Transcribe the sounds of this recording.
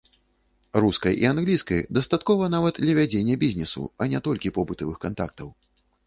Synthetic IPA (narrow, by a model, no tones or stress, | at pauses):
ɾuskɐjʔḭanɣlʲiskɐjd̪ɐst̪at̪kɔvɐnavɐd̪d̪lʲɐvʲad͡zʲenʲːɛbʲizʲnʲɛsṵɐnʲɛt̪ɔlʲkʲipɔbɨt̪ɐvɨxkant̪akt̪ɐw